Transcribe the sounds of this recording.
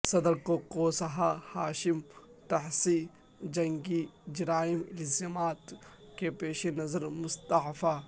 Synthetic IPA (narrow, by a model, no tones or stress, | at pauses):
sɐd̪əɾkokoːsɐɦahaːʃɪmt̪ɐħsiː | d͡ʒɐ̃ŋɡid͡ʒɾaːɪmɪlzaːmaːt̪ | kepeːʃenɐzəɾmʊst̪ɐfa